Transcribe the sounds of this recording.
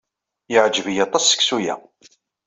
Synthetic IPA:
jəʕd͡ʒəvijɑt̪ˤːɑsːə̥ksujæ̰

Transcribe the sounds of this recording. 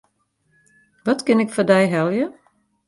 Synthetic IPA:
ʋɔtkɪnɪkfɔdɛjɦɛlˠjə

